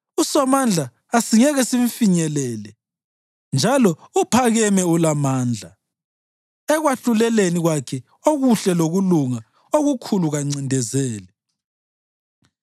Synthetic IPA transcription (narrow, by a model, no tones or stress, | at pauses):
usɔmand͡ɮʱaː | siŋɛɣɛsiɱfiɲɛlɛːlɛ | nd͡ʒʱalɔupʰaɣɛmɛulamaːnd͡ɮʱa | ɛɣwaɬulɛleniɣwakʰɛ | oɣuɬɛloɣuluŋa | oɣukʰuluɣaŋ͡ǀindʱɛzɛːlɛ